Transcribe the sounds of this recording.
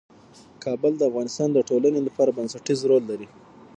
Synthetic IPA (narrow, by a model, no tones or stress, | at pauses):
kɑbəld̪əafɣɑnɪst̪ɑnd̪əʈolanelapɑɾabansaʈizɾolːaɾi